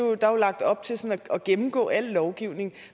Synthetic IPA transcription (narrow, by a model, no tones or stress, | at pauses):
d̥ɑ̈olɑ̈ɡ̥̚d̥ɒ̽b̥̚t͡sʰe̝lsɔ̽næɒɡ̥emm̩ɡ̥ɔ̰̽ːæl̰lɒʊɡ̥iʊ̰ne̝ŋ